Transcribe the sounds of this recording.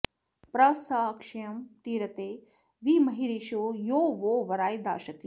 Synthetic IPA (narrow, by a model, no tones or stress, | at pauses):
pɾɐsɐkʃɐjɐmt̪iːɾɐt̪eː | ʋiːmɐɦiɾiʃoːjoːʋoːʋɐɾaːjd̪a̰ːʃɐt̪i